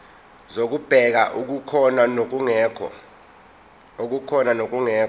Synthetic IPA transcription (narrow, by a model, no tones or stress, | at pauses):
zok̬ub̥ʱɛk̬aʔuk̬ukʰɔnanok̬uŋɛːkʰɔ̰ | ok̬ukʰɔnanok̬uŋɛː